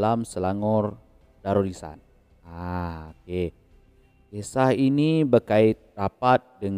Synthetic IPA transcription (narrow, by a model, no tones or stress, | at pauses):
lamsəlaŋɔr | daɾolisa̰n | aoke | kesahinibərkaɪt̪̚rapat̪̚dəŋ